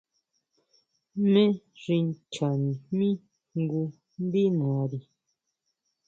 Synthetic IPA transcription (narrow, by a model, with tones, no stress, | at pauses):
mẽ˦ | ɾi˧n˦t͡ʃa˨nĩ˨mĩ˦ | ŋ˦ɡu˧ | n̩˦di˦nɔ̃˨˦ɾi˨